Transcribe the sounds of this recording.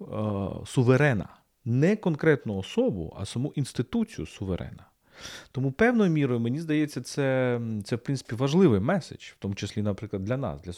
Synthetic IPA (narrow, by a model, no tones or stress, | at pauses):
sʊʋeɾɛnɐ̰ | nɛkɔnkɾɛt̪nʊɔsɔbʊ̰ɐ̰sɐmuʔinst̪ɪt̪ut͡sʲijʊ̰sʊʋeɾʔɛ̰nɐ | t̪ɔmupɛwnɔjʊmʲiɾɔjʊmenʲizd̪ɐjet͡sʲːɐt̪sɛt̪sɛwpɾɪnɪ̥pʲiʋɐʒlˠɪʋɪjmɛsḛd͡ʒw̥t̪ɔmʊt͡ʃesʲlʲinɐpɾɪklˠɐd̪lʲɐnɑ̰sd̪lʲɐ